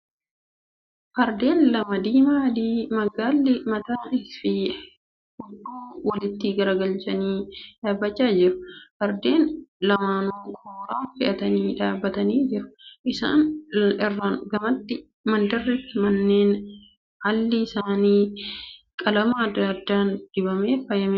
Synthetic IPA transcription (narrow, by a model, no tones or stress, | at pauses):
hɐɾd̪e̞ːnlɐmɐd̪iːmaːd̪iːmɐɡaːlːɪmɐt̪aːʔɪfɪ | hʊd̪ːuːwɐlɪt̪ːɪɡɐɾɐɡɐlt͡ʃɐniːᶑaːbːɐt͡ʃːaːd͡ʒɪɾʊ̥hɐɾd̪eːnlɐmaːnuːkʰoːɾaːfɪʔɐt̪ɐniːᶑaːbːɐt̪ɐniːd͡ʒɪɾʊ̥ʔɪsa̰ːnɪrːaːnɡɐmɐt̪ːɪ | mɐnd̪ɐrːɪt̪ːɪmɐnːeːn | ʔɐlːɪɪsaːniː | kʼɐlɐmɐɐd̪ːaːd̪ːaːnd̪̥ɪbɐmeːfɐjɐme